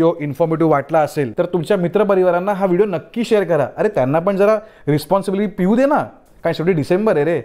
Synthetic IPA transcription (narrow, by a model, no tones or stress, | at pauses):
joʔinfɔɾmiʈ̬iːʋaʈlaəselt̪əɾt̪umt͡ɕjamit̪ɾəp̬əɾiʋaɾanːaɦaʋiɽijonəkːiːɕejəɾkəɾa̰əɾet̪janːap̬əɳd͡zəɾa | ɾispɔnsibiliipiuːd̪ena | kãj̃səɽiːɖisembəɾeɾe